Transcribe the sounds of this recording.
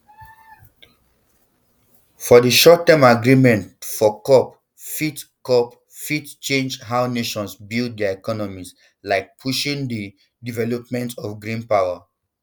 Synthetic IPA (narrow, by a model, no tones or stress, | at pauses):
fɔdiʃɔtːɛmaɡɹimɛ̃ntfɔkɔp | fitkɔp | fitt͡ʃẽnd͡ʒɦaʊneʃɔ̃nsbild̚dɛaɛkɔnɔmis | laɪk̚pʰuʃĩŋdi | divɛlɔp̚mɛ̃ntɔfɡɹĩnpaʊa